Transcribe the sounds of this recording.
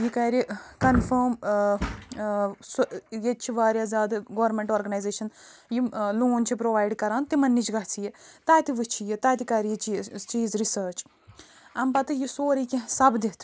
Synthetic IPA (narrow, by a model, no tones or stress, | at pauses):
jikɐːɾikɐnfəm | sjet͡ʃʰiʋaːɾjazjaːd̪ɡɐʋɾmẽɳʈoːɾɡɐnajzeːʃɐnjiloːnt͡ʃʰipɾoʋaːjɖkɐɾaːnt̪imɐnːit͡ʃɡɐɦt͡sʰijet̪aːt̪iʋɨt͡ʃʰijet̪aːt̪ikaɾijit͡ʃit͡ʃiːzɾisəːɾt͡ʃ | ɐmpɐt̪ɨjisoːɾikʲĩsɐbd̪it̪ʰ